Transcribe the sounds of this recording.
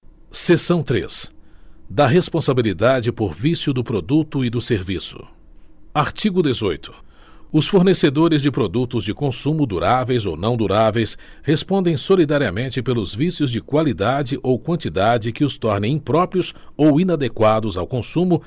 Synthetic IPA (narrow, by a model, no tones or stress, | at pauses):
sesɐ̃w̃t̪ɾḛs | d̪ɐɦespõsabilid̪ad͡ʒɪpoɾvisjʊd̪ʊpɾod̪ut̪ʊid̪ʊseɾvisʊ̰ | aɾt͡ʃiɡʊd̪ezojt̪ʰʊ̥ | ʊsfoɾnesed̪oɾɪzd͡ʒɪpɾod̪ut̪ʊzd͡ʒɪkõsũmʊd̪uɾavejzo̰wnɐ̃w̃d̪uɾavejs | hespõnd̪ẽj̃solid̪aɾiɐmẽnt͡ʃɪpelʊzvisjʊzd͡ʒɪkwalid̪ad͡ʒɪʔowkwɐ̃nt͡ʃid̪ad͡ʒɪkɪʊst̪ɔɾnẽj̃ĩpɾɔpɾiʊsowĩnad̪ekwad̪ʊzawkõsũmʊ